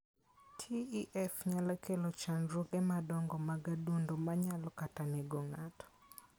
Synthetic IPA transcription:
tʰiiʔɛfɲalakelɔt͡ʃanɾoɡɛmadɔŋɡɔmaɡadundomaɲalɔkataneɡɔŋatɔ̥

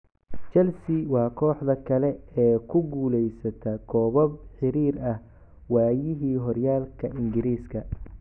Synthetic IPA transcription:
t͡ʃɛlsɪwɑːkʰɔːħd̪ɐkʰɐlɛɛːkʰʊɡuːlɛjsɐt̪ʰɐkʰɔːβɔb̚ħɪɾiːɾɐh | waːjɪɦiːɦɔrjaːlkʰɐʔɪŋɡɪɾiːskʰɐ

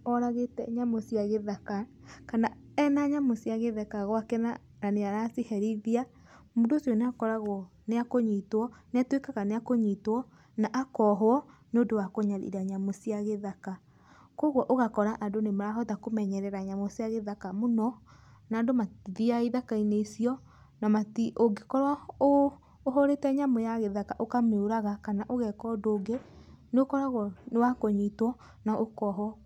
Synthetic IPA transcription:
ɔɾaɣetɛ̰ɲamosiaɣeðakakana | ɛnaɲamosiaɣeðakaɣwakɛna̰ | ɾaneaɾasihɛɾiðia | modosjɔneakɔɾaɣwɔ | neakoɲitwɔneatwekaɣaneakoɲitwɔ | naʔakɔɦoɔneodowakoɲaɾḭɾaɲamosiaɣeðaka | koɣwɔʔoɣakɔɾaʔadonemaɾaɦɔtakomɛɲɛɾɛɾaɲamɔsjaɣeðakamonɔ | naːdomatiðiaiðakaineisiɔ | namatiʔoɡekɔɾaoː | ɦoɾetɛɲamojaɣeðakaʔokameoɾaɣakanaʔoɣɛkɔdoːɡeneokɔɾaɣɔnewakoɲitwɔ | naʔokɔɦwɔ

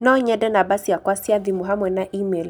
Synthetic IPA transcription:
nɔɲɛdɛnabasijakwasiaðimuɦamwɛnaʔimɛl

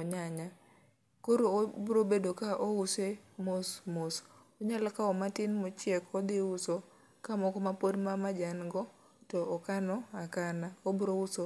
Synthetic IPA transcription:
ɔɲaɲa | koɾobɾobedokaʔousemosmos | ɔɲalakaɔmatɪnmot͡ʃjɛkɔd̪ɪuso | kamɔkɔmapodmamad͡ʒanɡɔ | tɔːkanɔakanaobɾouso

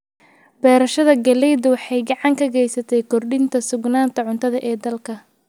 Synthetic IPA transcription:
b̥ɛːɾɐʃɐðɐɡɐlɛjd̪wɑħɑjɡɑʕɑŋkʰɐɣɛjsɐt̪ʰɛjkʰɔrɖɪnt̪ʰɐsʊɡnaːnt̪ʰɐʕʊnt̪ʰɐðɐʔɛːd̪ɐlkʰɐ

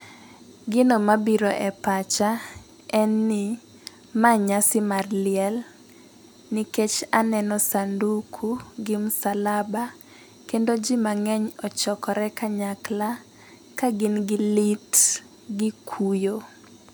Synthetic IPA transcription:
ɡɪnomabiɾoʔɛpat͡ʃa | ɛnːɪ | maɲasɪmarlɪɛl | niket͡ʃanɛnɔsandukʰuɡɪmusalaba | kendod͡ʒimaŋɛɲɔt͡ʃɔkɔɾɛkaɲakla | kaɡɪnɡɪlit | ɡɪkʰujo

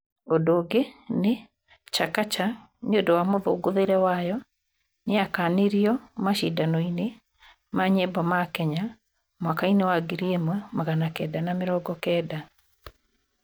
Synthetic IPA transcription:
ondoːɡene | t͡ʃakat͡ʃa | ɲodɔwamoðoɡoðeɾɛwajɔ | neakaːneɾiɔmaʃidanɔine | maɲebɔmakɛɲa | mwakainewaɡeɾiemwɛmaɣanakɛːdanameɾɔːɡɔkɛːda

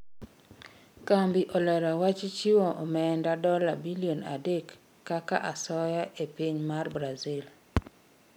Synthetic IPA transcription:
kambiʔɔlɛɾawat͡ʃɪt͡ʃiwɔʔɔmɛndadɔla̰biliona̰dekː | aka̰ʔasɔjaʔepiɲmarbɾazil

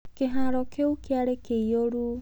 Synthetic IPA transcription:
keɦaɾɔkeukeaɾekeioɾu

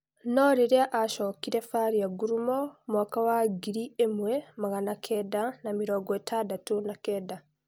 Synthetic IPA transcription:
noɾiɾeaʔaʃokiɾefaːɾijaɡuɾumomakawaɡiɾiemwemaɣanakʰedanamiɾoːɡɔetʰadatunakeda

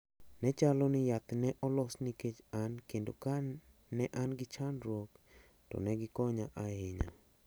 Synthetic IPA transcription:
nɛt͡ʃalonɪjat̪nɛʔɔlɔsniket͡ʃankendokaː | ɛʔanɡɪt͡ʃanɾwok | tɔ̰nɛɡɪkɔɲaʔaheɲa̰

